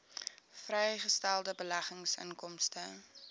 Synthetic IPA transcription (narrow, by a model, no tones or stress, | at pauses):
frɛjχəstælˠdəbəlɐχəŋsə̰ŋkɔmstə